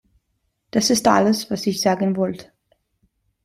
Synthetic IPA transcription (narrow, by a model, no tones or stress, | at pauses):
d̥asɪstʔa̰ləsvasɪçz̥aːɡənvɔltʰə̥